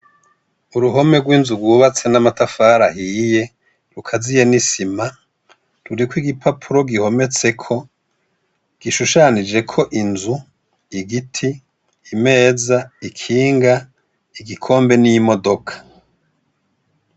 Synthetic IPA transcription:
uɾuɦo̞me̞ɡwiːnzuɡwuːβat͡se̞namatafaːɾahije̞ | ɾukʰazijenisima | ɾuɾikwiɡipʰapʰuɾo̞ɡiho̞me̞t͡se̞kʰo̞ | ɡ̥iʃuʃanid͡ʒe̞kʰo̞ʔinzu | iɡitʰiː | me̞ːzaikʰiːŋɡa | iɡikʰo̞ːmbe̞nijimo̞do̞kʰḁ

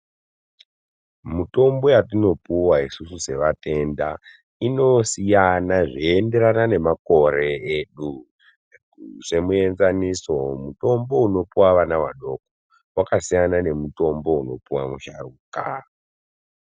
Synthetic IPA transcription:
muto̞mbo̞jatino̞puwaisususe̞ʋate̞nda | ino̞sijanaʐiende̞ɾanane̞mako̞ɾe̞eɗu | ʂe̞mue̞nzaniso̞muto̞mbo̞uno̞puwaʋanawa̰ɗo̞ko | wakasijanane̞muto̞mbo̞uno̞puwa̰muʃaruka

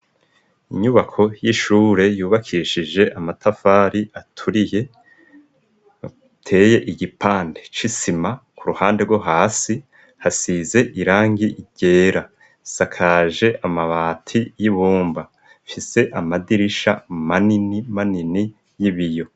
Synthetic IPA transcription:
iɲuβakʰo̞jiʃuːɾe̞juːβakʰiʃiʒe̞ʔamatʰafaːɾiʔatʰuɾije̞ | tʰe̞ːje̞ʔiɟipaːnde̞t͡ʃisimakuɾuhaːnde̞ɾɡwoɦaːsi | hasize̞ʔiɾaːŋɡiʔɟ̥e̞ːɾa | sakʰaːʒe̞ʔamaβaːtʰijiβuːmba | fise̞ʔamadiɾiʃa̰maninimanini | jiβijo̞

